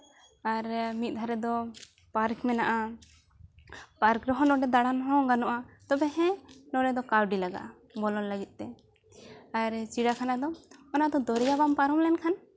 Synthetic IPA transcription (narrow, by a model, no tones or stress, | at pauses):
aɾmit̪̚ˀd̪ʱaɾɛd̪ɔ | paɾkmɛnaʔa | paɾkɾɔɦɔ̃ɖɔ̃ɖɛd̪aɽanɦɔ̃ɡanɔʔat̪ɔbɛɦɛ̃nɔɖɛd̪ɔkawɖilaɡa̰ʔ | bɔlɔnləɡit̪̚ˀt̪ɛ | aɾt͡ʃiɽakʰanad̪ɔɔnad̪ɔd̪ɔɾɛjabampaɾɔmlɛnkʰan